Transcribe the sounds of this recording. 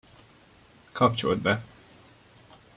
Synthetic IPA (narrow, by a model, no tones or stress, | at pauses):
kʰɒpt͡ʃo̰ld̪̚bɛ